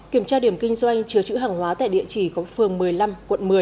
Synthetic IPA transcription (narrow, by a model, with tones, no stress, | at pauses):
ki˧˩əmt͡ɕaː˧ɗi˧˩əmkï˧ŋ̟zwa˧jŋ̟t͡ɕɨ˨˦ət͡ɕɨ̰˧˥ɦaː˨˩ŋhwaː˨˦t̪a̰ː˧˨jɗḭ˧˨ət͡ɕi˧˩kɔ˨˦fɨ˨˩əŋmɨ˨˩əjla˧mkwə˧˨nmɨ˨˩ə